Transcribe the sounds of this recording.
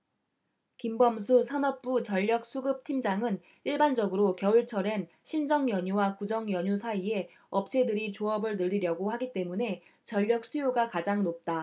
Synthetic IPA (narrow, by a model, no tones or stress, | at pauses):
kimbʌmsʰusʰanʌp̚p͈ut͡ɕʌʎːʌk̚s͈ʰuɡɯp̚tʰimd͡ʑaŋɯn | iɭband͡ʑʌɡɯɾokjʌuɭt͡ɕʰʌɾe̞n | ɕʰind͡ʑʌŋjʌɲuwakud͡ʑʌŋjʌɲusʰaie̞ | ʌp̚t͡ɕʰe̞dɯɾit͡ɕoʌbɯɭnɯːiɾjʌɡohaɡit͈e̞mune̞ | t͡ɕʌʎːʌk̚s͈ʰujoɡakad͡ʑaŋnop̚t͈a